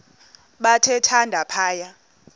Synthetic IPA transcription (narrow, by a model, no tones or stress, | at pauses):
ɓatʰɛtʰandʱapʰaːja